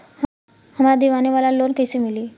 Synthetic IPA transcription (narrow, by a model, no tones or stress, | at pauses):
həmad̪iʋaniʋalalonkejsimiliː